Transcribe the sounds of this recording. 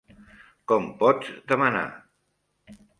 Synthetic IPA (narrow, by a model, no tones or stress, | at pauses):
kɔmpɔd͡zd̪əməna̰